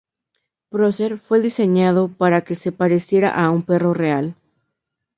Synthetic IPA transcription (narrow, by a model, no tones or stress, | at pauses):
pɾoseɾfwe̞ðise̞ɲaðo̞paɾake̞se̞paɾe̞sje̞ɾa̰ʔaumpe̞ro̞re̞al